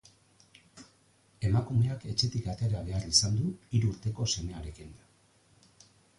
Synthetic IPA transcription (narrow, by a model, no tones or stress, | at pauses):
e̞makume̞ake̞t͡ʃe̞t̪ikat̪e̞ɾaβe̞arisand̪uiɾuɾt̪e̞ko̞se̞me̞aɾe̞kind̪a